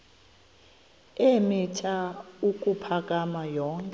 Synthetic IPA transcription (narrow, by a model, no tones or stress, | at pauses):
emitʰaukʼupʰakʼamajɔːŋkʼ